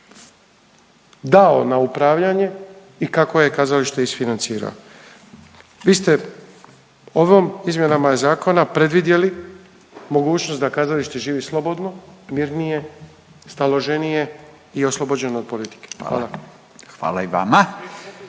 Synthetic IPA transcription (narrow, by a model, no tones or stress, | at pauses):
d̪ao̞naupɾaːʋʎaɲe̞ | ikako̞je̞kazaliʃt̪eisfinant̪siːɾa̰o | ʋiːst̪e̞ | o̞ʋomizmje̞namaezaːko̞napɾed̪ʋid̪je̞li | mo̞ɡuːt͡ʃno̞st̪d̪akaːzaliʃt̪eʒiːʋislˠo̞bo̞d̪no̞miɾnije̞ | st̪alo̞ʒe̞nije̞ | io̞slˠo̞bod͡ʑe̞nood̪̚po̞lit̪i̥kexa̰ːlˠa | xʋa̰ːlaiʋa̰ma